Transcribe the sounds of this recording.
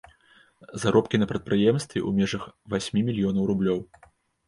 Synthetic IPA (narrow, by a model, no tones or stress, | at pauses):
zaɾɔpkʲinɐpɾɐt̪̚pɾɨjɛmst̪vʲɛ̰umʲɛʐɐxvasʲmʲimʲilʲjɔnɐwɾublʲɔw